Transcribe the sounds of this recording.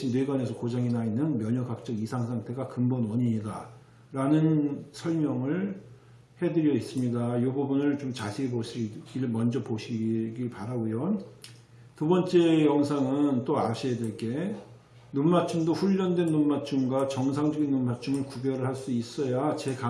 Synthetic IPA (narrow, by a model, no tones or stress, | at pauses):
indweɡwane̞sʰʌkod͡ʑaŋinainːɯnmjʌɲʌkak̚t͡ɕ͈ʌɡisʰaŋsʰaŋtʰe̞ɡakɯmbʌnwʌɲiɲida | ɾanɯnsʰʌɭmjʌŋɯɭ | hedɯɾjʌis͈ɯmɲidajobʌbunɯɭt͡ɕomt͡ɕasʰeioɕʰiɡiɭmʌnd͡ʑʌpoɕʰiɡiɭpaɾaɡujo | tubʌnt͡ɕ͈e̞jʌŋsʰaŋɯnt͈oaɕʰiedeɭk͈e̞ | nunmat͡ɕʰumdoɸuʎːʌndwe̞nːunmat͡ɕʰumɡwat͡ɕʌŋsʰaŋd͡ʑʌɡinːunmat͡ɕʰumɯɭkuɡjʌɾɯɭhaɭs͈uis͈ʌjat͡ɕe̞ka